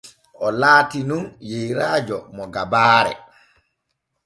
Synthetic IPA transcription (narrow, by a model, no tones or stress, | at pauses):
ʔɔlaːtinunjejɾaːd͡ʒɔmɔɡabaːɾɛ̰